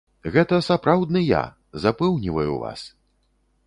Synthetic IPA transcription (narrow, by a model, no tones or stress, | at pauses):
ɣɛt̪ɐsapɾawd̪nɨja̰ | zapɛwnʲivɐjṵva̰s